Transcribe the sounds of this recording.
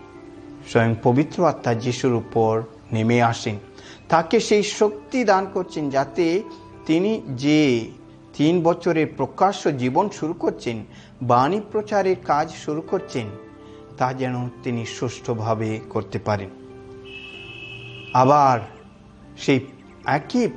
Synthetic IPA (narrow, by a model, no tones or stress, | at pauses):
ʃɔjoŋpobit̪ːɾoat̪ːad͡ʑiʃuɾupoɾ | nemeaʃen | t̪akeʃejʃok̚t̪id̪ankoɾt͡ɕʰend͡ʑat̪e | t̪inid͡ʑe | t̪inbɔt͡ɕʰoɾeɾpɾokaʃod͡ʑibonʃuɾukoɾt͡ɕʰen | banipɾot͡ɕaɾeɾkad͡ʑʃuɾukoɾt͡ɕʰen | t̪ad͡ʑɛnot̪inisuʃʈʰobʱabekoɾt̪epaɾen | abaɾ | ʃej | ɛki